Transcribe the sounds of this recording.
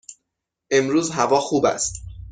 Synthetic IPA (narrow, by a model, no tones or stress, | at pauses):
ʔe̞mɾuːzɦævɒːxuːbæ̰st̪